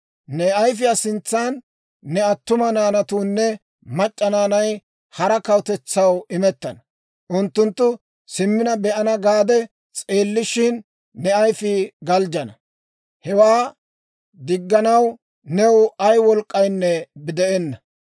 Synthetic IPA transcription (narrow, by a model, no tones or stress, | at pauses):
nɛɐjf̬ɪjasɪnt͡sːaːnː | ɛɐt̪ːʊmɐnaːnɐt̪uːnːɛ | mɐt͡ʃʼːɐnaːnɐj | hɐɾɐkɐwt̪ɛt͡sːɐwɪmɛt̪ːɐnɐ | ʔʊnt̪ːʊnt̪ːʊ | sɪmːɪnɐbɛʔɐnɐɡaːd̪ɛ | t͡sʼe̞ːlːɪʃɪnː | ɛɐjfɪɡɐld͡ʒɐnɐ | hɛwaː | d̪ɪɡːɐnɐw | nɛwɐjwɔlkʼːɐjnːɛbɪd̪ɛʔɛnːɐ